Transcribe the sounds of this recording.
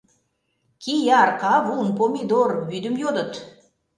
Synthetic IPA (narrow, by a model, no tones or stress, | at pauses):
kʲʰijɑɾqɑvunpomid̪orbyd̪əmjod̪ə̆t̪